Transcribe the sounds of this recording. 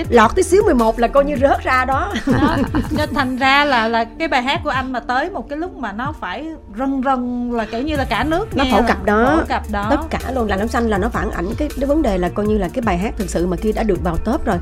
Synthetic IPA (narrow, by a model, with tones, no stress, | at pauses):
lɔ˨˩t̪ʰɨ˨˦sɨ˨˦əwmɨ˨˩əjmo˨˩t̚laː˨˩kɔ˧jɲɨ˧zə˦˥t̚zaː˧ɗɔ˨˦˨ | t̪ʰa˨˩jŋ̟zaː˧laː˨˩laː˨˩kaː˨˦jɓaː˨˩jɦaː˦˥t̚ku˧˩əʔa˧jŋ̟maː˨˩t̪əː˨˦jmo˨˩t̚kaː˨˦jlʊ˦˥k͡p̚maː˨˩nɔ˨˦faː˧˩j | zə˨˩ŋzə˨˩ŋlaː˨˩ke˧˩wɲɨ˧laː˨˩kaː˧˩nɨ˦˥ək̚nɔ˨˦˧fʰə̰˧˩wkə˨˩p̚ɗɔ˨˦˧ka˨˩p̚ɗɔ˨˦ə˦t̚kaː˧˩lu˧ənlaː˨˩nɔ˨˦wŋ͡msa˧ŋlaː˨˩nɔ˨˦faː˧˩nʔa̰˧˩jŋ̟kaː˨˦jvə˨˦nɗe˨˩laː˨˩kɔ˧jɲɨ˧laː˨˩kaː˨˦jɓaː˨˩jɦaː˦˥t̚t̪ʰɨ˨˩k̚sɨ̰˧˨maː˨˩xi˧əɗa̰ː˧˥˩ɗɨ˨˩ək̚vaː˨˩wt̪əː˦˥p̚zo˨˩j